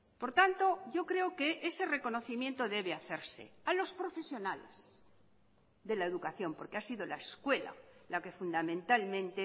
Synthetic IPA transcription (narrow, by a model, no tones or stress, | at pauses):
po̞ɾt̪ant̪o̞ʝo̞kɾe̞oke̞ʔese̞re̞ko̞no̞θimjent̪o̞ðe̞β̞eaθe̞ɾse̞̰alo̞spɾo̞fe̞sjo̞nale̞̰s | ðe̞laeðukaθjo̞mpo̞ɾkeasiðo̞laeskwe̞la̰lake̞fund̪amẽnt̪almẽ̞nt̪e